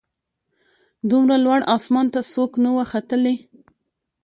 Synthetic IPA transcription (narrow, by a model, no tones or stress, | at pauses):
d̪umɾalwaɽɑsmɑnt̪asoknawaxat̪əle